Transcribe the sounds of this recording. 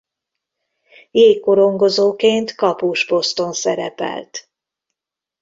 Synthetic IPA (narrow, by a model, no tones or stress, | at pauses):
jeːkːo̞ɾo̞ŋɡo̞zoːkeːnt̪kɒpuːʒpo̞st̪o̞nsɛɾɛ̰pɛ̰lt̪